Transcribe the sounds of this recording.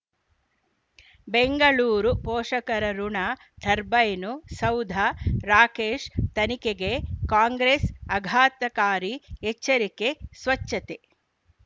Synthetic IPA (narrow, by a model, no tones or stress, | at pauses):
beŋɡɐɭuːɾupɔːʂɐkɐɾɐɾuɳaː | ʈ̪ʰɐɾbɐjnusɐwd̪ʱaɾaːkeːʂt̪ɐnikeɡekaːŋɡɾesɐɡʱaːt̪ɐkaːɾiet͡ʃːɐɾikesʋɐt͡ʃːɐt̪e